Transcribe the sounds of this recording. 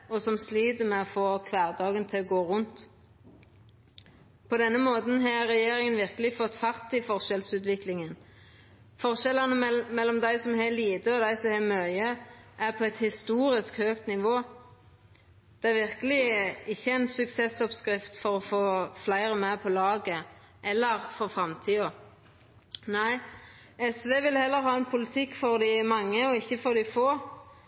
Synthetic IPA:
ɔsɔmsliːd̪əmɛɔfoːkʰʋæːʁd̪ɑːɡənt̪ʰɪlɔɡoːʁʊnt̪ | pʰɔd̪ɛnːəmoːt̪n̩ɦɑːʁɛjeːɾɪŋənʋɪʁkəlɪfɔt̪ːfɑʁt̪ɪfɔʁʃɛlsʉːt̪ʋɪklɪŋən | fɔʁʃɛlɑnəmɛlːɔmd̪æɪsɔmɦɛliːd̪əɔd̪æɪsɔmhɛːmœʏəʔæʁpʰɔæt̪hɪst̪uːɾɪskhøːkt̪nɪʋoː | d̪̥ɛæɾʋɪʁkəlɪɪçːəæɪnsʉksɛsɔpskɾɪft̪fɔɾɔfoːflæɪʁəmæpʰɔlɑːɡə | ʔɛlːəɾfɔʁfɾɑmt̪ʰiːɔ | næɪ | ɛsʋeːʋɪlhɛlːəɾɦɑːɛnpʰʊlɪt̪ʰɪkːfɔʁd̪ɪmɑŋːəɔɪçːəfɔʁd̪ɪfoː

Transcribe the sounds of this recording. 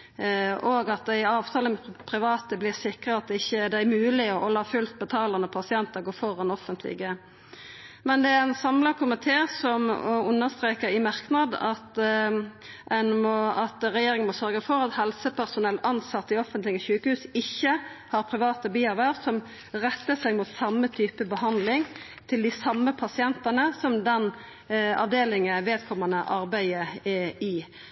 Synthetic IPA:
oːɡɑt̪̚d̪ɛɪɑːʋt̪ʰɑːləmɛpʰʁɪʋɑːt̪əblɪʁsɪkʁəɑt̪̚d̪ɪçːəd̪ɛææmʉːlɪɔɔlɑːfʉlt̪̚bət̪ʰɑːləʁnəpʰɑsɪɛnt̪əʁɡoːfɔʁɑnɔfənt̪ʰlɪ̰ɡə | mɛnd̪ɛæʁɛnsɑmlɑkʰʊmɪt̪ʰeːsɔmʉnːəʁst̪ʁeːkəɾɪmɑʁknɑd̪ɑt̪ | ɛnmɔɑt̪ɾɛjeːɾɪŋənmɔsœɾɡəfɔɾɑt̪hɛlsəpʰæʁsʊnɛlt̪ɑnsɑt̪ːɪɔfənt̪lɪɪçʉːkəhʉːsɪçːəhɑɾpʰɾɪʋɑːt̪əbiːɑɾʋæʁsɔm | ʁɛt̪ːəsæɪɡmut̪sɑmːət̪ʰyːpəbəhɑnd̪lɪŋ | t̪ʰɪld̪ɪsɑmːəpʰɑsɪɛnt̪ənəsɔmd̪ɛn | ɑ̰ʋd̪eːlɪŋəʋeːd̪kʰɔmənəʔɑɾbæɪəɪ

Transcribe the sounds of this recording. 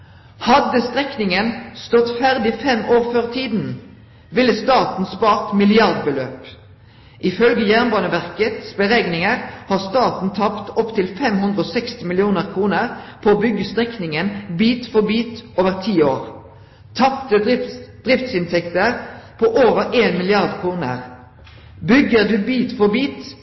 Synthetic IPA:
hɑd̪əst̪ʁɛknɪŋənst̪ɔt̪fæʁd̪ɪfɛmʔoːʁføːʁt̪ʰiːd̪n̩ | ʋɪlːəst̪ɑːt̪n̩spɑːʁt̪mɪlɪɑʁd̪bəlø̰ːp | ʔɪfœlɡəjæʁnbɑːnəʋæʁkət̪sbəʁeːɡnɪŋəʁhɑːʁst̪ɑːt̪n̩t̪ʰɑpt̪ɔpt̪ʰɪlfɛmhʉnd̪ʁəoːsɛkst̪ɪmɪlɪuːnəʁkʰʁuːnəʁpʰooːbʏɡəst̪ʁɛknɪŋənbiːt̪fɔʁbiːt̪oːʋəʁt̪ʰiːoːʁ | t̪ʰɑpt̪əɪd̪̥ʁɪft̪sɪnt̪ʰɛkt̪əʁpʰoːʔoːʋəʁeːnmɪlɪɑʁd̪kʰʁuːnə̰ʁ | bʏɡːəʁd̪ʉːbiːt̪fɔʁbiːt̪

